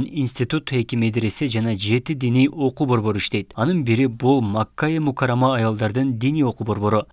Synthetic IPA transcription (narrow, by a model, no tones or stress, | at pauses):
ninsʲt̪ʲit̪ut̪e̞kʲimed̪ɾe̞se̞d͡ʒɑnɑd͡ʒe̞t̪id̪inijʔo̞qubo̞ɾbo̞ɾuiʃt̪e̞jt̪ɑnɯnbiɾibulˠmakːajemukaɾamɑːjɑlˠd̪ɑɾd̪ɯnd̪inijo̞qubo̞ɾβo̞ɾu